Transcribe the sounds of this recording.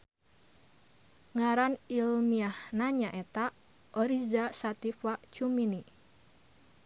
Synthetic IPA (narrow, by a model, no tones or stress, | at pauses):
ŋaɾanilmiahnaɲaʔɛt̪a | ʔɔɾizasat̪ifat͡ʃumini